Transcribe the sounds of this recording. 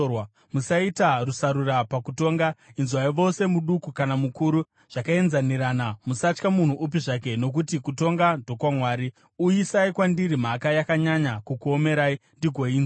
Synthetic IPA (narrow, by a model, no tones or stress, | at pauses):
w | musaitarusaɾuɾapakuto̞ːŋɡainzwaiʋo̞se̞muɗukukanamukuɾu | ʐ̥akae̞nzaniɾanamusat͡ʃkamun̤uʔup̬iʐak̬e̞no̞k̬utikuto̞ŋɡadʱo̞kwamwaːɾi | uisaikwandiɾim̤akajakaɲaɲakukuo̞me̞ɾaindiɡʱoiːn